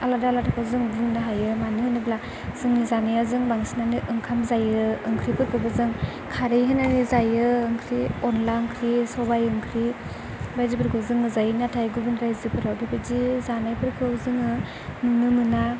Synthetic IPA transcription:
aladalatʰakʰawzɯŋdɯŋnɯɦajɯmanihɯnɯbla | z̥ɯŋnizanajazɯŋbaŋsinaniʔɯŋkʰamzajɯɯŋkʰɾipɯɾkʰɯbɯzɯŋ | kʰaɾɯjɦɯnanizajɯɯŋkʰɾiɔnlaɯŋkʰɾisɔbajɯŋkʰɾi | bajzipɯɾkʰɯwzɯŋɯzajnatʰajɡubɯnɾajzɯpʰɯɾawbipʰidizanajpʰɯɾkʰɯzɯŋɯ | nunɯmɯna

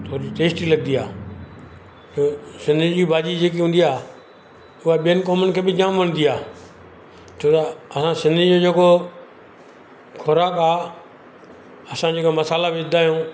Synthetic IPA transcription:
t̪ʰoːɾd͡ʑiʈeːsʈiːləɡ̚nd̪iaː | d͡ʒoːsɪ̃nd̪ʱid͡ʑiːbaːd͡ʒid͡ʒeːkiɦũːnd̪iaː | ʊɦaɓijənkoːmənkʰeːbɪd͡ʑaːmʋəɽ̃nd̪iaː | t͡ʃʰoːt̪aəsãsɪ̃nd̪ʱid͡ʒoːd͡ʒeːko | kʰʊɾaːkaː | əsãːd͡ʒeːkoməsaːlaʋɪd̪aːjõː

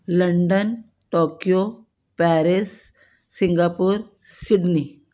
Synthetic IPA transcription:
lɐɳɖən | ʈoːkijo | pɛːɾisː | ĩŋɡaːpuːɾsiɖni

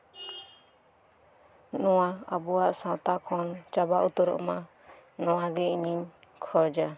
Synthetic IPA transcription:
nɔwaabɔwaʔsãt̪akʰɔnt͡ʃabaʔut̪ɔɾɔ̰ʔma | nɔwaɡɛʔiɲiɲ | kʰɔd͡ʒa

